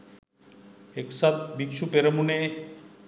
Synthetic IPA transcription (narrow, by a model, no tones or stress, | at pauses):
eksat̪̚bikʃupeɾəmune